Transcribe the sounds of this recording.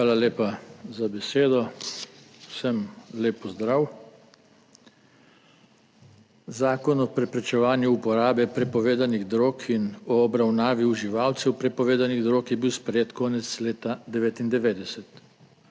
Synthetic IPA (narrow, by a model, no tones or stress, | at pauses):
ʋaːlaleːpazabɛseːd̪ɔ | wsəmleːpːɔzd̪ɾaːw | zaːkɔnɔpɾɛpɾɛt͡ʃɛʋaːnjuupɔɾaːbɛpɾɛpɔʋeːd̪aniɣd̪ɾoːkʰinɔːbɾawnaːʋiuʒiʋaːwt̪sɛwpɾɛpɔʋeːd̪aniɣd̪ɾoːkjɛbiwspɾɛjeːt̪kɔːnɛt̪sleːt̪ad̪ɛʋeːt̪ind̪ɛʋeːd̪ɛsɛt̪